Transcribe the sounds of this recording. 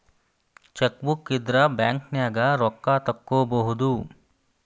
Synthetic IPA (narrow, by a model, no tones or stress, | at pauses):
t͡ʃɐkʋukːid̪ɾɐbjaːŋknjaːɡɐɾɔkːaːt̪ɐkːoːbɐɦud̪u